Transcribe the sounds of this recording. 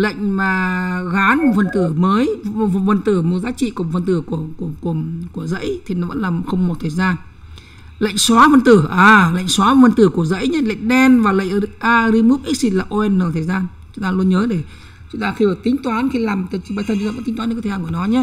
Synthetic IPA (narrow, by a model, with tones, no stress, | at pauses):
lə̰˧˨jŋ̟maː˨˩ɣaː˨˦nm̚˨˩fə˨˩nt̪ɨ˧˩məː˨˦jfə˨˩nt̪ɨ˧˩mo˨˩zaː˨˦t͡ɕḭ˧˨ku˨˧˩fə˨˩nt̪ɨ˧˩ku˧˩əku˧˩əku˧˩əku˧˩əzə̰˧˥jt̪ʰi˨˩nɔ˨˦və̰˧˥nlaː˨˩m˨xə˧wŋ͡mmo˨˩t̚t̪ʰəː˨˩jzaː˧n | lə̰˧˨jŋ̟swaː˨˦fə˧˩nt̪ɨ˧˩ʔaː˨˩lə̰˧˨jŋ̟swaː˨˦m˨˩fə˨˩nt̪ɨ˧˩ku˧˩əzə̰˧˥jɲə˨˦lə̰˧˨jŋ̟ɗɛ˧nvaː˨˩lə̰˧˨ŋ̟˧ʔaː˧ɾi˧mu˦˥p̚ʔi˦˥si˧˩laː˨˩ʔo˧ʔɛ˧nːəː˧˩t̪ʰə˨˩jzaː˧n | t͡ɕʊ˨˦ŋ͡mt̪aː˧lu˧ənɲəː˨˦ɗe˧˩ | t͡ɕʊ˨˦ŋ͡mt̪aː˧xi˧əː˧˩t̪ï˨˦ŋ̟t̪waː˨˦nxi˧laː˨˩mt̪ɓa˧jt̪ʰnt͡ɕu˧˦a̰ː˧˥t̪i˨˦waː˨˦˧t̪ʰzaː˧kːnɔ˨˦ɲa˦